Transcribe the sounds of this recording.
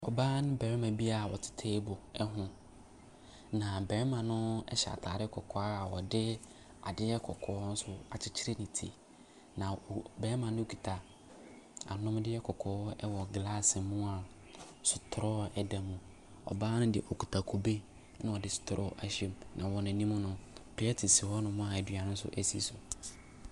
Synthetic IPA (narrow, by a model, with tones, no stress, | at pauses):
ɔ˨baː˦nʊ̃˦bɛ˨ɾɪ˦mã˨bi˦a˨wɔ˨tʰɪ̥˦tʰeː˦bʊ˨ɛ˦ɦʊ̃˦ | nã˨bɛ˨ɾmã˨nʊ̃˦ɛ̰˦ɕɛ˨a̰˨tʰaː˨ɾɪ˦kʰɔ˨kʰɔ˨a˦˨wɔ˨dɪ˦ | a̰˨dɪ˦jɛ˦kʰɔ˨kʰɔː˨˦n̩˦sʊ˦a˨t͡ɕʰɪ˦t͡ɕʰi˦ɾe˦nĩ˨tʰḭ˨ | nã˨bɛ˨ɾmã˨nʊ̃˦o˦kʰu˨tʰa˨ | a̰˨nʊ̃˦m˦dɪ˦ɛ˦kʰɔ˨kʰɔː˨˦ɛ˦wɔ˨ɡla˦sɪ˨mʊ̃˦a˨ | sʊ˨tʰɾɔ˦ɛ˦da˨mũ˨ | ɔ̰˨baː˦nʊ̃˦dɪ̰˨ʔɔ˨ku̥˨tʰa˨kʰo˨be˦ | nʊ̃˦wɔ˨dɪ˦sʊ̥˨tʰɾʔɔ̰˦ʔa˨ɕe˦mnã̰˨wɔ˨nʊ̃˨nĩ˦mʊ̃˦nʊ̃˦pʰi˨˦ɛ˦tʰi˨si˨wɔ˦nʊ̃˨mʊ̃˦a˨ɛ˨dɥa˨nʊ̃˦n̩˦sʊ̰˦ʔɛ˦sḭ˦sʊ˨